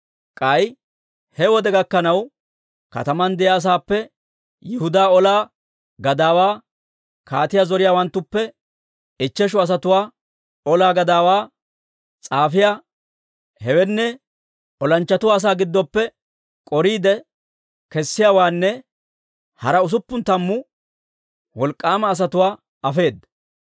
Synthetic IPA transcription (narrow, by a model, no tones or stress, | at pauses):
kʼɐj | hɛwɔd̪ɛɡɐkːɐnɐw | kɐ̰t̪ɐmɐnd̪ɛjaːs̬aːpːɛ | jɪhʊd̪aːɔlaː | ɡɐd̪aːwaː | kʰaːt̪ɪjaːzɔɾɪjaːwɐnt̪ːʊpːɛ | ɪt͡ʃːɛʃʊɐs̬ɐt̪ʊwaː | ɔlaːɡɐd̪aːwaː | t͡sʼaːfɪja | hɛwɛnːɛ | ɔlɐnt͡ʃːɐt̪ʊwaːs̬aːɡɪd̪ːɔpːɛ | kʼɔɾiːd̪ɛ | kɛsːɪjaːwaːnːɛ | hɐɾɐʊs̬ʊpːʊnt̪ɐmːʊ | wɔlkʼːaːmɐːs̬ɐt̪ʊwaː | ɐfe̞ːd̪ːɐ